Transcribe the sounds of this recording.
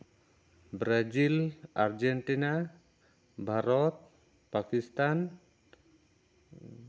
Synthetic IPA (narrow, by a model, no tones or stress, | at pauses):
bɾazilaɾd͡ʒeɳʈina | bʱaɾɔt̪̚ | pakist̪an